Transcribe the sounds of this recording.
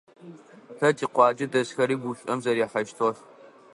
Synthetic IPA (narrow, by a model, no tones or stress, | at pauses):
ɬɐtʰʼiːqʷɑːd͡ʒɪdɐsxɐɾiːɡʷuɕʼɐmzɐɾjɛħɐʃtʰɔr